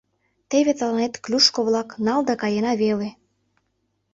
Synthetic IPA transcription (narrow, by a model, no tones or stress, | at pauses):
t̪eβet̪ɑlɑnet̪klʲuʃkoβlɑknɑld̪ɑkɑjenɑβele